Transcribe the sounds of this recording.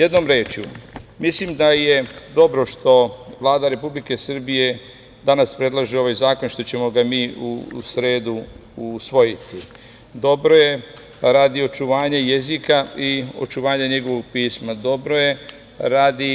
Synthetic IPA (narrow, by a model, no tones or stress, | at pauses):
je̞d̪no̞mɾeːt͡ʃjumislimd̪aje̞d̪o̞bɾo̞ʃt̪o̞ʋlˠaːd̪aɾe̞publike̞sr̩bije̞ | d̪anaspɾe̞d̪lˠaʒio̞ʋaːjzaːkonʃt̪o̞t͡ɕe̞mo̞ɡamiːṵsɾe̞ːd̪uusʋo̞jit̪i | d̪o̞bɾo̞je̞ | ɾaːd̪io̞t͡ʃuʋaːɲejezikaio̞̰t͡ʃuʋaːɲeɲe̞ɡo̞ʋo̞ɡ̚piːsmad̪o̞bɾo̞je̞ | ɾaːd̪i